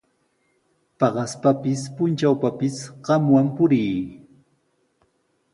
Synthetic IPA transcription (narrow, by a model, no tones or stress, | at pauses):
pɑɢɑspapɪspʊnt͡ʃawpapɪsɢɑmwampʊɾiː